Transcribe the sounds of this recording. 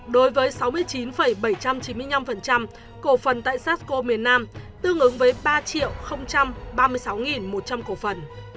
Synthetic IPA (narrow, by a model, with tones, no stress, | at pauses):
ɗo˨˦jvəː˨˦jsa˨˦wmɨ˧əjt͡ɕi˨˦nfə˧˩jɓə˧˩jt͡ɕa˧mt͡ɕi˨˦nmɨ˧əjna˧mfə˨˩nt͡ɕa˧m | ko˧˩fə˨˩nt̪a̰ː˧˨jsaː˦˥t̚ko˧mi˨˩ənːaː˧mt̪ɨ˧əŋʔɨ˨˦ŋvəː˨˦jɓaː˧t͡ɕḭ˧˨əwxə˧wŋ͡mt͡ɕa˧mɓaː˧mɨ˧əjsa˨˦wŋi˨˩nmo˨˩t̚t͡ɕa˧mko˧˩fə˨˩n